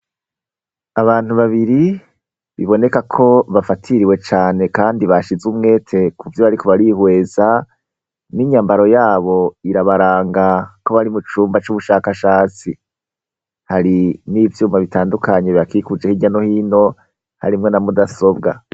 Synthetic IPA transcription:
aβaːn̥uβaβiɾi | βiβo̞ne̞kakʰo̞βafatʰiɾiwe̞t͡ʃaːne̞kaːndiβaʃizumŋe̞ːtʰe̞kʰuvjoβaɾikʰoβaɾihwe̞ːza | niɲambaɾo̞jaːβo̞iɾaβaɾaːŋɡako̞βaɾimut͡ʃuːmbat͡ʃuβuʃakaʃaːt͡si | haɾinivjuːmaβitaːndukaɲeβakikud͡ʒehiɟano̞hiːno̞ | ha̰ɾimŋe̞namudaso̞bɡa̰

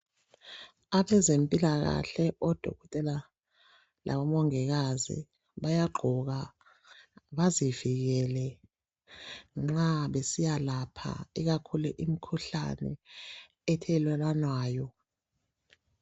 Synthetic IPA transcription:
aɓɛzempʼilaɣa̰ɬɛʔɔd̥ʱo̰ɣɔtʼɛla | lʔa̰ɓɔmɔŋɛɣazḭ | βajaɡ͡ǃʱuɣa | βaziviɣ̬ɛlɛ | ŋ͡ǁaɓesijalapʰa̰iɣakʰuluʔim̩kʰuɬa̰nɛ̰ | ɛtʰɛlwɛlanwaːjɔ

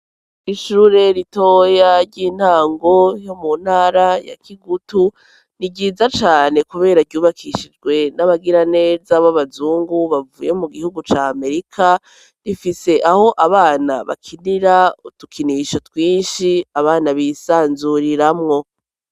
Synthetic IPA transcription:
iʃuːɾe̞ɾitoːjaɾɟiːn̥aːŋɡo̞jo̞mun̥haːɾaja̰kʰiɡutu | niɟiːzat͡ʃaːne̞kuβe̞ːɾaɾɟuːβakʰiʃid͡ʒɡwe̞naβaɡiɾane̞ːzaβaβazuːŋɡuβavṵjemuɡihuɡut͡ʃaːme̞ɾikʰa | ɾifise̞ʔaho̞ʔaβaːna̰βa̰kʰiniɾautukʰiniʃotwiːnʃiaβaːnaβisaːnzuɾiɾamŋo̞

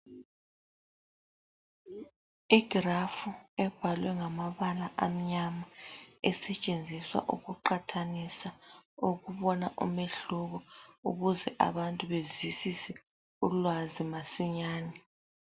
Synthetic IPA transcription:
iɡ̥ʱrafuɛb̥ʱalwɛŋamaβalaʔam̩ɲamaɛsɛt͡ʃʼend͡zʱiswa̰ʔuɣuǃatʰanisauɣuβɔnaʔṵmeɬuɣɔuɣuzɛʔa̰βantʼuβezisisɛ | ulwazimasiɲaːnɛ

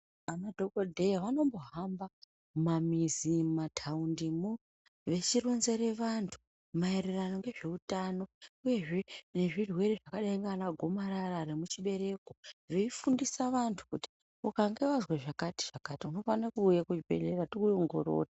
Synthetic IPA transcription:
anadʱokodʱejaʋano̞mbo̞ɦamba | mamizimatʰaundimu | ʋe̞t͡ʃiro̞nze̞ɾeʋantʰu̥ | maeɾerano̞ŋɡe̞ʐe̞utano̞uje̞ʐe̞ne̞ʐirwe̞re̞ʐakaɗaiŋɡanaɡʱo̞maɾararemut͡ʃiɓe̞ɾe̞koʐiifundisaʋantʰu̥kuti̥ | ukaŋɡe̞ʋazweʐakati̥ʐ̥akatiuno̞fanakuːjakut͡ʃibʱe̞̰ɮe̞ratikujoŋɡo̞̰ɾo̰ːta

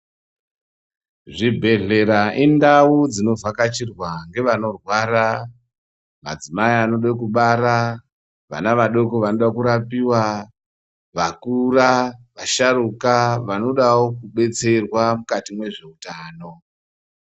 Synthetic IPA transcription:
ʐibʱe̞ɮe̞ɾaʔindaud͡zino̞vakat͡ʃirwaŋɡe̞ʋano̞rwaɾa | ma̰d͡zimaiano̞ɗekuɓaɾa | ʋa̰naʋaɗo̞koʋanoɗakuɾapiwa | ʋakuraʋaʃaɾukaʋano̞ɗawokuɓe̞t͡se̞rwamukatimwe̞ʐe̞utaːno̞

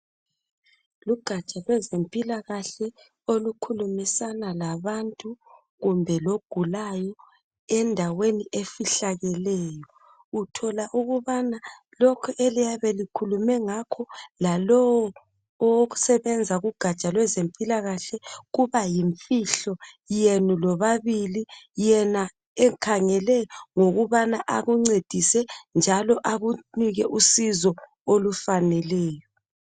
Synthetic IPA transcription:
luɡ̥ʱat͡ʃʼalwɛzempʼilaɣaɬɛ | olukʰulumisanalaβantʼu | ɣumbʱɛloɡ̥ʱulajɔ | ɛndʱaweniʔefiɬaɣɛlɛːjɔ | utʰɔlaʔuɣuβana | lɔkʰɛʔelijaβɛlikʰulumɛŋakʰɔlalɔwɔ | ɔwoɣu̥sɛβɛnd͡zʱaɣuɡ̥ʱat͡ʃʼalwɛzempʼilaɣaɬɛɣuβajiɱfiɬɔ | jenulɔβaβilijɛna | ɛkʰaŋɛlɛŋoɣuβanaʔaɣuŋ͡ǀed̥ʱisɛnd͡ʒʱalɔʔaɣuniɣɛʔusizɔ | olufanɛlɛːjɔ

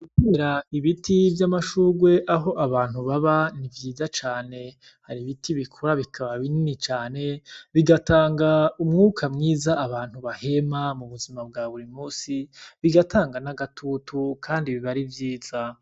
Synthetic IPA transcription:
ute̞ɾaiβitʰivjamaʃuːɡwe̞ʔaɦo̞ʔaβaːn̥huβaβanivjiːzat͡ʃaːne̞ | haɾiβitʰiβikʰoɾaβikʰaβaβininit͡ʃaːne̞βiɡataːŋɡaumŋuːkʰamŋiːzaːβaːn̥huβahe̞mamuβuzimab̚ɡaβuɾimuːsiβiɡatʰaːŋɡanaɡatʰutʰukʰaːndiβiβaɾivjiːz̥a

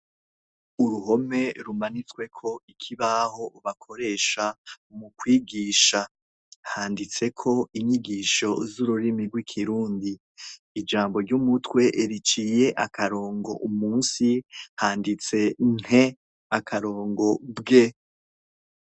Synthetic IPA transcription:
uɾuɦo̞me̞ɾumanit͡swe̞kʰo̞ikʰiβaɦo̞βakʰo̞ɾe̞ʃa | mukwiːɡiːʃa | haːndit͡se̞kʰo̞iɲiɡiːʃo̞zuɾuɾimiɡwikʰiɾuːndiː | d͡ʒaːmbo̞ɾɟumutwe̞ʔeɾit͡ʃije̞ʔakʰaɾo̞ːŋɡo̞̰ʔumuːnsihaːndit͡se̞n̥he̞ | akʰaɾo̞ːŋɡo̞bɡe

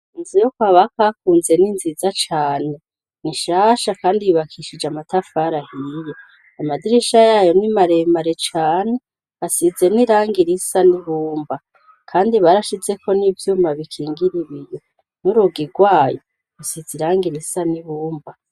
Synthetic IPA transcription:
inzijokwaβakakuːnze̞ninzizat͡ʃaːne̞ | niʃaːʃakaːndijuβakʰiʃid͡ʒamatafaɾahije | amadiɾiʃajaːjo̞nimaɾe̞maɾet͡ʃaːne̞ | asize̞niɾaːŋɡiɾisaniβuːmba | kʰaːndiβaɾaʃize̞ko̞niːvjuːmaβikʰiːŋɡiɾiβijo̞ | nuɾuɡiɡwaːjo̞ | ɡusiziɾaːŋɡiɾisaniβuːmba

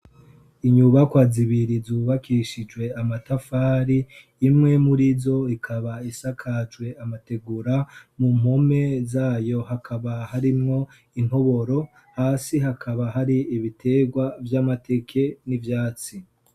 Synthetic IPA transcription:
iɲuβakwaːziβiɾizuːβakiʃid͡ʒwe̞amatafaːɾiː | mŋe̞muɾizo̞ikʰaβaisakʰat͡ʃwe̞amate̞ɡuɾamum̥o̞me̞zaːjo̞ɦakʰaβahaɾimŋo̞ | in̥ho̞βo̞ɾo̞ | haːsiɦakʰaβaɦaɾiːβitʰe̞ːɡwavjaːmate̞kʰe̞nivjaːt͡si

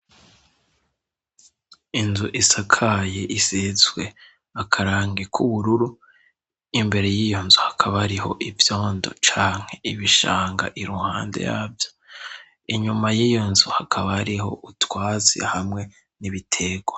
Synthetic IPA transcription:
inzuʔisakʰajeʔisiːzwe̞ | akʰaɾaːŋɡe̞kʰuβuɾuɾu | imbe̞ɾe̞jiːjo̞nzuhḁkʰaβaɾiɦo̞ʔivjo̞ːndo̞̰t͡ʃaːŋ̥he̞iβiʃa̰ːŋɡa̰ʔiɾuha̰ːnde̞̰ja̰ːvjo | iɲumajijo̞nzuhakʰaβaɾiho̞̰ʔutwaːt͡sḭhamŋe̞ | niβitʰe̞ɡwa

